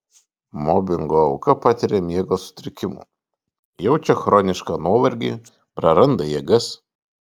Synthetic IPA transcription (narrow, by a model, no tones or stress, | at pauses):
mɔbʲɪŋɡoːʊkɐpɑːt̪ʲɪɾʲemʲiɛɡoːsʊ̥t̪ʲɾʲɪkʲɪmṵː | jɛʊt͡ʃʲɛxɾɔːnʲɪʃkɑːnuɔʋɐɾʲɡʲḭː | pɾɐɾɐnd̪ɐjɛɡɐs